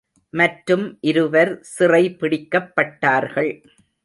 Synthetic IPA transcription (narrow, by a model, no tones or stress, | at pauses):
mɐʈɾɯmʔɪɾɯʋɐɾsɪrɐɪpɪɽɪkːɐpːɐʈːaːɾɣɐɭ